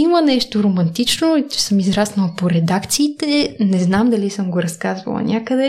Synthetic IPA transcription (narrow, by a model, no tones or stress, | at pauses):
imənɛʃt̪oɾomɐnt̪it͡ʃnoi̥səmizɾasnɐlˠpoɾɛd̪akt̪siːt̪ɛnɛznamd̪ɐlisəmɡoɾɐskazvɐ̰lˠɐ̰nʲʔakəd̪ɛ